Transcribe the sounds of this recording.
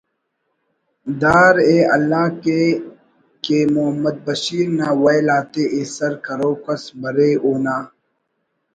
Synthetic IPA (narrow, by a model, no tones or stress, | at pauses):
d̪aːɾeːɐ̰lːaːke | keːmʊɦəmːəd̪̚bɐʃiːɾnaːwɐjlaːt̪eːʔesɐɾkɐɾoːkɐsbɐɾeːoːnaː